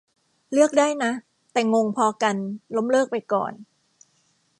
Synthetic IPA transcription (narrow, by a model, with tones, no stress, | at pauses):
lɯ˥˩ək̚daː˥˩jna˦˥ʔ | t̪ɛː˨˩ŋo˧ŋpʰɔː˧ka˧nlo˦˥mlɤː˥˩k̚pa˧jkɔ̰ː˨˩n